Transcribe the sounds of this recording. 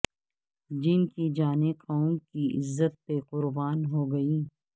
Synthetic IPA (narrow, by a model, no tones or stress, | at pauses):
d͡ʒɪnkid͡ʒaːneqaːõkiʔɪ̰zːət̪̚peqʊɾbaːnɦoːɡɐiː